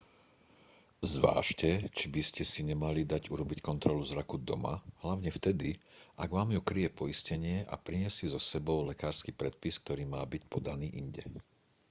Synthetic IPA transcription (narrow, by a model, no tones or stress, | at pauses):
zʋa̰ːʃcɛt͡ʃibiscɛsiɲɛmalid̪aɟuɾɔbickɔnt̪ɾɔluzɾakud̪ɔ̰ma̰ɦlaʊɲɛft̪ɛd̪iʔaɡʋaːmjukɾijɛpɔiscɛɲɪɛʔa̰pɾiɲɪɛsizɔsɛbɔʊlɛkaːɾskiːpɾɛt̪̚pisk̚t̪ɔɾiːmaːbicpɔd̪aniːʔiɲɟɛ̰